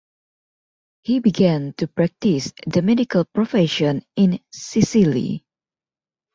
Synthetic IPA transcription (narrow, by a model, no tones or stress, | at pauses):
hibiɡɛ̃ntupɹɛk̚tisd̪əmɛdikəlpɹofɛʃə̃nɪ̃nsisilḭ